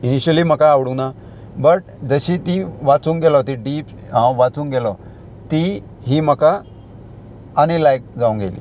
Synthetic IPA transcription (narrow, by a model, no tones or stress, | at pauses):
iniɕəliːm̤əkaːʋɽũna | bəʈ̚d͡zəɕit̪iʋat͡suːŋɡɛlɔt̪iɖiːp | ɦãʋat͡sũːŋɡɛlɔ | t̪i | ɦiːm̤əka | ñilajk̚d͡zaũŋɡḛlḭː